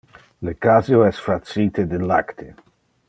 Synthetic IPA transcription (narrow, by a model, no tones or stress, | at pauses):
lekazjoɛsfɾat͡siːt̪ed̪elːa̰kt̪ʰe